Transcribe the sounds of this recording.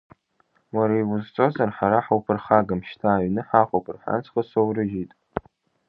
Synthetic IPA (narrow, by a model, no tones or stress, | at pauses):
waɾajwʊzt͡sʼozarħaɾaħawpʰɨrχaɡamʃtʰaːɥnɨħaχʷowpʰɨrħa̰nt͡sʰχəsowɾɨʒitʼ